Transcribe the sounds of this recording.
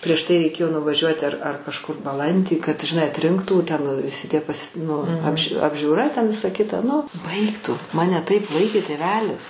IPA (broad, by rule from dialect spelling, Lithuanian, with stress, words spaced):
pʲrʲiɛʃ ˈtɐɪ rʲɛɪˈkʲeːjoː nʊʋɐˈʒʲuɔtʲɪ ɐr ɐr kɐʃˈkʊr bɐˈlˠɐnʲdʲiː kɐt ʒʲɪˈnɐɪ ɐtʲˈrʲɪŋktuː ˈtʲɛn ʋʲɪˈsʲɪ tʲiɛ pɐsʲ nʊ ɐpʲʃʲ ɐbʲʒʲuːˈrɐ tʲɛn ˈʋʲɪsɐ ˈkʲɪtɐ ˈnʊ ˈbɐɪk tʊ ˈmɑːnʲɛ ˈtɐɪp ˈʋɐɪkʲeː tʲeːˈʋʲæːlʲɪs